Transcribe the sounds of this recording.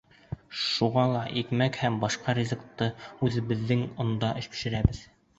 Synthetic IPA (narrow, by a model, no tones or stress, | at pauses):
ʃuʁɑlˠɑʔikmækhæmbɑʃqɑɾʲizɤ̆kt̪ːɤʉðɘ̆βɘ̆ðːɘŋŏnd̪ɑʔɘ̆ʃkɘ̥̆ʃɘ̆ɾæbɘð